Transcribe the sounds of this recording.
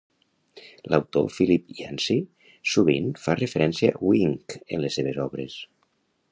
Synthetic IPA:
lawt̪o̰filipiansi | suβinfarəfəɾɛnsiawiŋkə̰nləsːeβ̞ezɔβɾes

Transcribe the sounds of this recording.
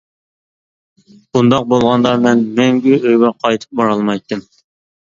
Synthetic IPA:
b̥und̪ɑq̚bolˠʁɑnd̪ɑmɛnmɛŋɡʲiʔøjɡɛqʰɑjt̪ʰɨ̥p̚bɑɾɑlˠmɑjt̪ːɨm

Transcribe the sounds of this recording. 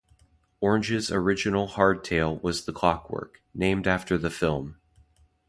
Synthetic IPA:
ɔɹɨ̃nd͡ʒɨzə˞ɪd͡ʒɨnl̩ˠhɑɹd̚tʰeɪlˠwʌzðəkʰɑkwɜ̰˞knẽɪ̃mdæftə˞ðɨfɪlˠm

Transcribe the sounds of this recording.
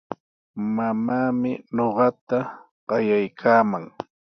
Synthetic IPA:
mamaːmɪɲoɢɑt̪a | ɢ̥ɑjajkʰaːmaŋ

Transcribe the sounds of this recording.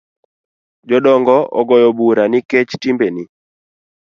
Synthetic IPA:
d͡ʒɔdɔŋɡɔʔɔ̰ɡɔjɔbuɾanɪket͡ʃtimbeni

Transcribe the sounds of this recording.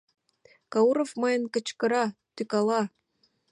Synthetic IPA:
kɑuɾofmɤjənkə̆t͡ɕkɤ̆ɾɑt̪ykɑlˠɑ

